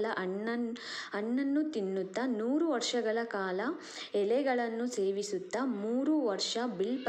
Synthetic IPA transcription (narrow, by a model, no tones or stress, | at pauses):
lɐʔɐɐɳːɐnːut̪inːut̪ːɐnuːɾuʋɐɾʂɐɡɐɭɐkaːlɐ | ɛlɛɡɐɭɐnːuse̞ːʋisut̪ːɐmuːɾuʋɐɾʂɐbilp